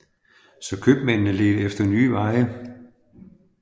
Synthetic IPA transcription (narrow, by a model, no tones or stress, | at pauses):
sɒ̽kʰøb̥mennəle̝d̥əefd̥ɐnyːʋɑ̈ɪə